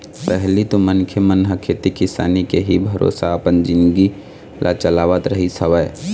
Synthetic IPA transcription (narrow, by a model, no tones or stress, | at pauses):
pɛɦlit̪omənkʰjəmənɦəkʰet̪ikɪsa̰ːnikeɦibʱəɾo̰ːsaəpənd͡ʒɪ̃nɡi | lʔa̰t͡ʃəlaːʋət̪ɾəɦisəʋəː